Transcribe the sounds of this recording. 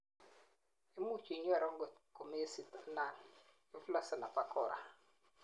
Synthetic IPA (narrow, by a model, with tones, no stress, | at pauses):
i˦mu˦t͡ʃi˨˦ɲ˦ɛ˦˨ɾɔ˦ŋɡo˨ko˨me˦si˨ta˦na˨n | i˦fla˦sa˨na˨pa˦kɔ˨ɾʔa̰˨